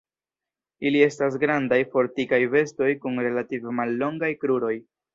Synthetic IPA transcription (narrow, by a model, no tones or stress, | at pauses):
ilie̞stas̬ɡɾandajfo̞ɾtikajve̞sto̞jkunɾe̞lativemalːo̞ŋɡajkɾuɾo̞j